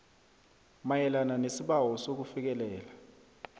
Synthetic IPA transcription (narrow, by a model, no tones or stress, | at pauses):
majɛlananesiɓawɔsok̬ufik̬ɛlɛːla